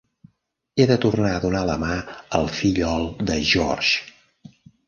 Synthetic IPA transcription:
eðət̪urnaəðunaləmaəlˠfiʎɔlˠd̪əʒɔ̰rʒ

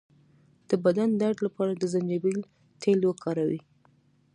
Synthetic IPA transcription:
d̪̥əbad̪and̪aɖlapɑɾad̪əzand͡ʒabil | t̪ʰelwokʰɑɾawḭ

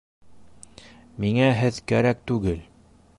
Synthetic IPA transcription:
miŋæɦɘðkæ̰ɾæk̚t̪ʉɡɘl

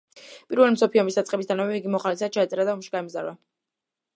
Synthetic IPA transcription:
pʼiɾvɛlimsɔpʰiɔmisd̪at̪sʼqʼɛbis̬d̪anɔmɛiɡimɔχalis̬ad̪̚t͡ʃʰaːt̪sʼɛɾad̪aɔmʃi̥ɡaimzaɾva

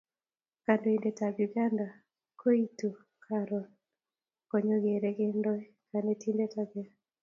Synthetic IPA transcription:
kandoindetaɡjuɡanda | kʰoitu | kʰaɾɔn | kɔɲɔɡeɾeɡendɔɛ | kanetindetaɡɛ

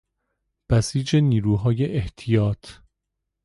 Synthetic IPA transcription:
b̥æsiːd͡ʒe̞niːɾuːɦɒːje̞ʔeht̪ʰijɒːt̪ʰ

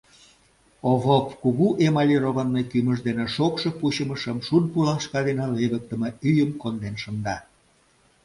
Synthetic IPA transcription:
oβopkuɣuʔemɑlʲiroβənːekyməʒd̪eneʃokʃɤ̆puɕəməʃəmʃunpulɑʃkɑd̪enɑleβək̚t̪əmeyjəmkond̪enʃə̆nd̪ɑ

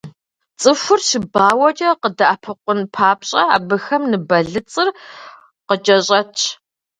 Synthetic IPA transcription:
t͡sʼɨfʷʊrɕɪbaːwɐt͡ʃʼɐqədɐʔapʰɨqʷʊnpʰaːpɕʼɐa̰ːbɨxɐmnɨbɐɮɨt͡sʼɨr | qət͡ʃʼɐɕʼɐtʰ

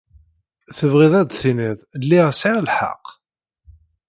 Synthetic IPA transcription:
θəvʁɪðˤæd̪θiniðˤlːiʁsiʕlħa̰qː

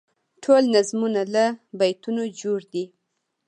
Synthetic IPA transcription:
ʈʰolnazmunalabajt̪unod͡ʒoɽd̪i

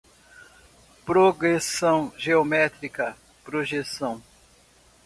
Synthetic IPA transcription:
pɾoɡɾesɐ̃w̃ʒeomɛt̪ɾikɐ | pɾoʒesɐ̃w̃

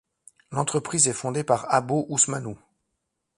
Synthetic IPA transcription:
lɑ̃t̪χəpχizɛfɔ̃d̪epaʁaboʔusmanu

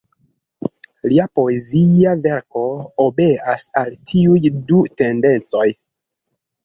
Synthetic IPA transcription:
liapo̞eziave̞ɾko̞obe̞asaltʰiujdute̞nde̞nt͡so̞j

